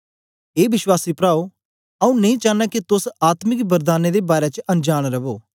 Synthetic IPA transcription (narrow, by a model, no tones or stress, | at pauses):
eːbɪʃwaːsiːpɾaːo | ɐũnɐ̃ĩːt͡ʃãːnɛːkit̪ʊsaːt̪mɪkbəɾd̪aːneːd̪eːbaːɾet͡ʃɐ̃nd͡ʒaːɽ̃ɾɐboː